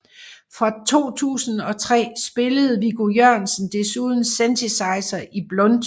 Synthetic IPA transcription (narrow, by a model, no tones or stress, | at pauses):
fʁɑ̈t͡sʰo̝̰ːt͡sʰṵːsn̩ɒ̽t͡sʰʁɛ̰ːsb̥e̝ləð̞̩ˠʋiɡ̥ojøɐnsn̩d̥e̝suð̞ˠn̩sent͡sʰisɑ̈ɪsɐʔib̥lɔ̽nd̥